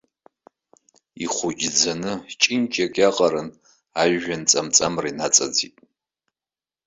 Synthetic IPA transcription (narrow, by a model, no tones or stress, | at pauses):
iχʷʊd͡ʒʲʼd͡zanɨt͡ʃʼint͡ʃʰʼakʼaqʼaɾɨn | aʒːant͡sʼamt͡sʼamrinat͡sʼad͡zitʼ